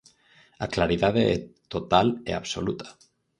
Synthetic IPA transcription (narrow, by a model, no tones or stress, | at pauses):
a̰klaɾiðaðeet̪ot̪alḛa̰βso̰lut̪ḁ